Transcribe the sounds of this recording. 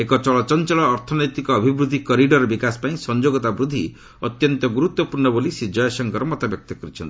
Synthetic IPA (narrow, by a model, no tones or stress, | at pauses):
ekɔt͡ʃɔɭɔt͡ʃɔnt͡ʃɔɭɔːɾt̪ʰɔnɔjt̪ikɔːbʱibɾud̪ʱikɔɾiɖɔɾɔbikasɔ̥paĩsɔnd͡ʒoɡɔt̪abɾud̪ʱːi | ɔt̪jɔnt̪ɔɡuɾut̪wɔpuɾɳɔbolisid͡ʒɔjɔsɔŋkɔɾɔmɔt̪abjɔk̚t̪ɔkɔɾit͡ʃʰɔnt̪i